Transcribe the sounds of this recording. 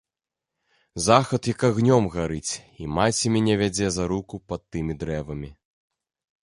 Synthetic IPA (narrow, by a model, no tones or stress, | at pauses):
zaxɐt̪jɐkaɣnʲɔmɣaɾɨt͡sʲimat͡sʲimʲɛnʲɛvʲad͡zʲɛzaɾukupɐt̪ːɨmʲid̪ɾɛvɐmʲi